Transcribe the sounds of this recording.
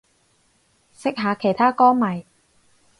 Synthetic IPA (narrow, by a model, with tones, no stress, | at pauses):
sɪ˥k̚ɦaː˨˧kʰe˨˩jt̪ʰaː˥kɔː˥mɐ˨˩j